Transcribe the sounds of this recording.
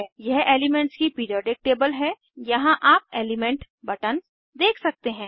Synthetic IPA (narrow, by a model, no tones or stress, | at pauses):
jɛɦeːlɪmɛ̃ɳʈskipiɾiɔːɖɪk̚ʈeːbəlɦɛ | jɐɦãʔaːpeːlɪmɛ̃ɳʈ | bɐʈən | d̪eːkʰsɐk̚t̪eɦɛ̃ː